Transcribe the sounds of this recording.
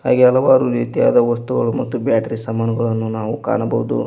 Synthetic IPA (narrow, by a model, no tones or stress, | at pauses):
ha̰ːɡiɐlɐʋaːɾuɾiːt̪jaːd̪ɐʋɐst̪uɡɐɭumɐt̪ːubjaːʈɾisɐmːaːnɐɡɐɭɐnːunaːʋuka̰ːɳɐbɐʋud̪ṵ